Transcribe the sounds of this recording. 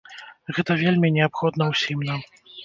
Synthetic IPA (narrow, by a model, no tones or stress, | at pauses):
ɣɛt̪ɐvʲelʲmʲinʲɛapxɔd̪nɐwsʲimnam